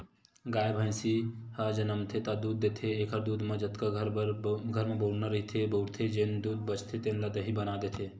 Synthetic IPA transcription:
ɡaːjebʱə̃jsihɐd͡ʒɐnəmt̪ʰet̪ad̪uːd̪ːet̪ʰeeːkʰəɾd̪uːd̪mẽd͡ʒɐt̪kaɾɡʱɐɾmẽboːɽnaɾɐɦit̪ʰeboːɽt̪ʰed͡ʒend̪uːd̪̚bət͡ʃʰt̪ʰet̪enlad̪ɐɦibɐnaːd̪et̪ʰe

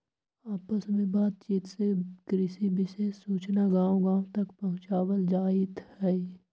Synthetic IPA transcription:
aːpəsmẽbaːd̪̚t͡ʃiːt̪sekɾɪsibɪʃeːsːuːt͡ʃnaɡãːwɡãːwt̪ɐkpɐɦʊ̃t͡ʃaːwəld͡ʒaːɪt̪hɛi

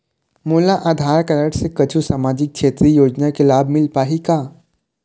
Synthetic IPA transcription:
muːlaʔaːd̪ʱaːɾkɐɾəʈsekɐt͡ʃʰusaːmaːd͡ʒɪk̚ʃʰeːt̪ɾijoːd͡ʒnakelaːbʱmɪlpaːɦikaː

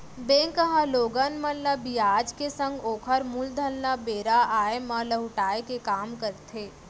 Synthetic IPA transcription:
bẽːŋkəɦaloːɡənmənləbijaːd͡ʒkesə̃ŋɡoːkʰəɾmuld̪ʱənlabeːɾaaːjeməlɐɦʊʈaːekekaːmkəɾt̪ʰeː

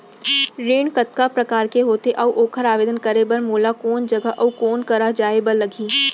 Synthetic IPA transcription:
ɾeːɳkət̪kapɾɐkaːɾkeɦoːt̪eʔɐuʔoːkʰəɾaːʋeːd̪ənkəɾebɐɾmoːlakoːnd͡ʒɐɡəɦʔɐukoːnkɐɾad͡ʒaːebəɾlɐɡʱiː

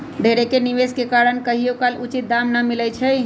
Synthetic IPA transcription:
ɖʱeɾekeniʋeskekaɾənkəɦijokalut͡ʃit̪̚d̪amnamilɛt͡ʃʰɛ

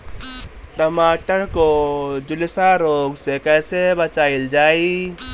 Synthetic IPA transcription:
ʈɾəmaːʈəɾkod͡ʒʊlɪsaɾoːɡsekɛːsebət͡ʃaːɪld͡ʒaːi

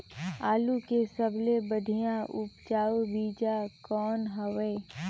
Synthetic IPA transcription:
aːlukesəblebəɖʱijãʔʊpt͡ʃaːubiːd͡ʒakɔːnɦəʋeː

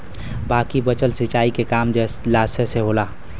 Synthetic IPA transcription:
baːkibət͡ʃəlsɪt͡ʃaːikekaːmd͡ʒɛ | laːseseɦoːlaː

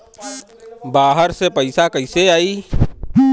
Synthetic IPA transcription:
baːɦəɾsepəɪsakəɪseaːiː

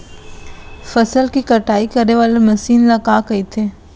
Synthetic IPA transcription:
fɐsəlkikɐʈaːikɐɾneʋaːlemɐsiːnlɐɡakɐit̪ʰeː

